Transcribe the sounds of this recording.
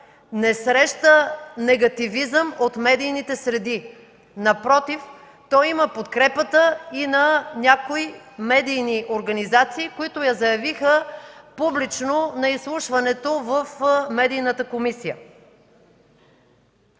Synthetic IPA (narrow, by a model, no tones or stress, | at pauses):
nɛsɾɛʃt̪ənɛɡɐt̪ivizəmot̪mɛd̪ijnit̪ɛsɾɛd̪i | nɐpɾɔt̪if | t̪ɔiməpot̪kɾɛpət̪əinɐnʲakoimɛd̪ijniʔoɾɡɐnizat̪siːkoit̪ʊjɐzɐjɐvixəpublit͡ʃnonɐislˠuʃvɐnɛt̪ovəfmɛd̪ijnət̪əkomisijə̰